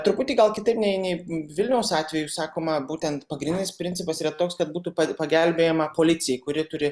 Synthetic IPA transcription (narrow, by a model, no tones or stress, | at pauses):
t̪ʊɾpʊt̪ʲiːɡɐlˠkʲɪt̪ɐɪpnʲɛɪnʲɛɪʋʲɪlʲnʲɛʊsɑːt̪ʲʋʲɛjusɑːkoːmɐbuːt̪ʲɛnt̪pɐɡɾʲɪnʲɪnʲɪspʲɾʲɪnʲtt͡s̪ʲɪpɐsiːɾɐt̪oːkskɐt̪̚buːt̪uːpɐpɐɡʲɛlʲbʲeːjɛmɐpoːlʲɪsʲɪjɛɪkʊɾʲɪt̪ʊɾʲɪ